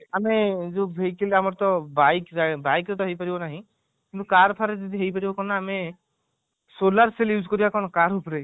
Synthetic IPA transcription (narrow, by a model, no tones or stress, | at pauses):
amezoɦejkeleamɔɾt̪ɔbajkabajkɾet̪ɔɦejpaɾibɔnaɦĩ | kint̪ukaɾpʰaɾed͡ʒɔd̪ʱiɦejpaɾibɔkɔnaːme | solaɾseljuzkɔɾibakɔnɔkaɾupɔɾe